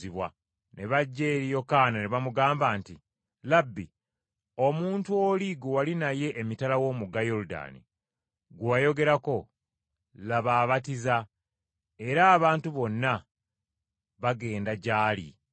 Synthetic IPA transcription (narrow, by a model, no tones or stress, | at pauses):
iβwa̰ | ne̞βaɟːeːɾijo̞kaːnane̞βamuɡaːmbaːnti | labːi | o̞muːntuoliɡuwalinaje̞ʔːmitalawo̞ːmuɡajo̞ɾuda̰ːnḭ | ɡwaːjo̞ɡe̞ɾako̞ | laβaːβatiza | e̞ɾaːβaːntuβo̞nːa | βaɡe̞ːndaɟaːlḭ